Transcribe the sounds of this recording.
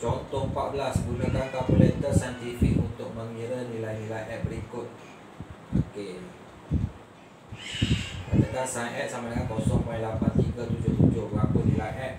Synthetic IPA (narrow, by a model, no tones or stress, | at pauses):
t͡ʃɔt̪ɔpaʔ̪̚bəlasbulək̪ant̪awbəlent̪əsajnt̪ifik̚unt̪ʊk̚mə̃ŋiɾənilajnilajʔɛt̚bəɾikʊt̪̚ | oke | kəkəd̪ansanʔɛt̪̚samadəŋãn̚kɔsɔŋmãjlapant̪iɡat̪ud͡ʒʊht̪ud͡ʒʊhblakʊʔ̚nilajʔɛt̚